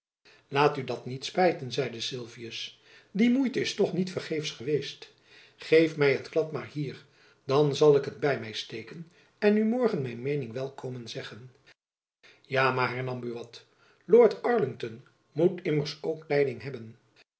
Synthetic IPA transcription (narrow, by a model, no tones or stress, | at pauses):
laːtydɑtnitspɛjtənzɛjdəsɪlˠviəs | dimujtəɪstɔχnitfəɹχejfsχəʋejst | χejfmɛjɦətklɑtmaːɹɦiːɹ | dɑnzɑlˠɪkɦədbɛjmɛjstejkən | ɛnymɔɹχənmɛjnmejnɪŋʋɛlˠkomənzɛχən | jaːmaːɹɦɛɹnɑmbyʋɑt | loːɹtɑɹlɪŋtɔn | mutɪməɹsowktɛjdɪŋɦɛbən